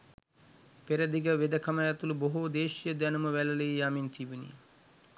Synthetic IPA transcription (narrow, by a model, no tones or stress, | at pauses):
peɾəd̪iɡəʋed̪əkʰɐməjat̪uluboɦud̪eːʃijəd̪ænuməʋælɐleijamint̪ʰiʋunḭ